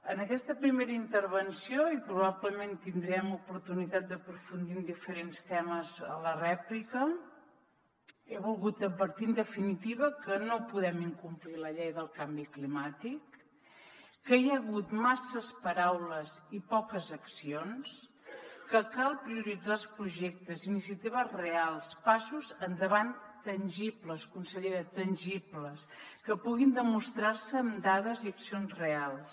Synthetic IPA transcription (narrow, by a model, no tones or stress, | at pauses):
ənəkɛst̪əpɾimeɾəint̪əɾβ̞ənsioipɾuβaβləment̪ind̪ɾiɛmupuɾt̪unit̪at̪̚d̪əpɾufund̪ind̪ifəɾenst̪ɛməzə̰lərɛplikə | eβulˠɣut̪əbəɾt̪ind̪əfinit̪iβəkənopuðɛmiŋkumpliləʎejðəlˠkambiklimat̪ik | əjəɣut̪masəspəɾawləzipɔkəzəksions | kəkalˠpɾiuɾid͡zalˠspɾuʒɛk̚t̪əzinisiət̪iβ̞əzrealˠspasuzənd̪əβant̪ənʲʒipləskunsəʎeɾət̪ənʲʒipləskəpuɣind̪əmust̪ɾaɾsəːmd̪aðəziəksionzrealˠs